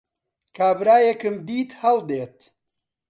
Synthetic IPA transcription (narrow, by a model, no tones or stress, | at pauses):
kʰaːbɾaːjekɨmd̪iːt̪hɐlˠd̪eːt̪